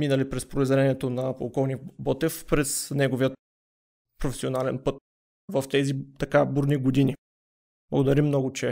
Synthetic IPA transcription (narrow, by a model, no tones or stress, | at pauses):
minɐlipɾɛspɾoizɛɾɛniɛt̪onɐpo̰lˠkɔlˠnibɔt̪ɛfpɾɛsnɛɡoviə | pɾofɛ̥sionalɛnpɤt̪ | vɐft̪ɛzit̪ɐkabuɾniɡod̪ini | blˠɐɡod̪ɐɾimːnɔɡʊt͡ʃɛ